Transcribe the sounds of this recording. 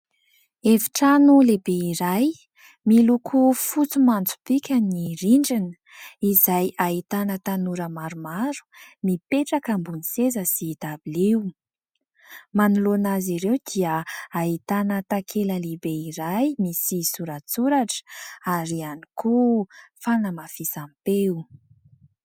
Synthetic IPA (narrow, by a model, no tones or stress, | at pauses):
efi̥ʈ͡ʂanulebeiɾaj | milukʰufut͡sumant͡su̥pikʲəniriɳɖ͡ʐinə | izajait̪anət̪anuɾəmaɾumaɾu̥mipeʈ͡ʂakambunisezəsit̪abiliw | manulonaziɾewd̪iəait̪anət̪akʰeləlibeiɾajmisisuɾat͡suɾaʈ͡ʂaɾianikʰufanəmafisampeu